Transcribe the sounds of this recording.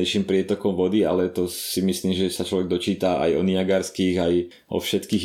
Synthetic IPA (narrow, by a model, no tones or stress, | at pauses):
ɛɪʃiːmpɾɪɛt̪ɔkɔmʋɔd̪ia̰lɛt̪ɔsimisliːmʒɛsat͡ʃlɔʋɛɡ̚d̪ɔt͡ʃiːt̪aa̰jɔ̰niaɡaɾskiːɣaj | ʔɔ̰fʃɛt̪kiːɣ